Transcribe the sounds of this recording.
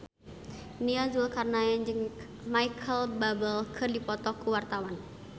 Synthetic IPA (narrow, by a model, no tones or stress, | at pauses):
niazulkarnaand͡ʒɨŋ | majkʰəlbabəlkʰɨrdipɔt̪ɔkuwart̪awan